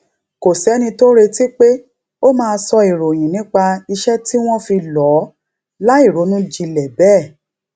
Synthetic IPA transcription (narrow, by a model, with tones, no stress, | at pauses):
ko˨sɛ˨˦nĩ˧to˦ɾe˧ti˦k͡pe˦ | o˦mãː˧sɔ˧i˨ɾo˨j̃ĩ˨nĩ˨˦k͡pa˧i˧ʃɛ˦ti˦w̃ɔ̃˦fi˧lɔ˨˦ | la˦i˦˨ɾo˨˦nũ˦d͡ʒi˧lɛ˨bɛː˦˨